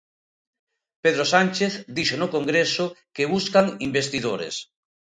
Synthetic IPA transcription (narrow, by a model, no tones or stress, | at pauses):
peðɾosanʲt͡ʃeθd̪iʃonokoŋɡɾesʊkeβuskaŋimbest̪iðoɾḛs